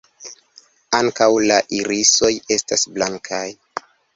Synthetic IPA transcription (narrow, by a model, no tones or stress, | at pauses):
aŋkawlaʔiɾiso̞je̞stasblaŋkʰaj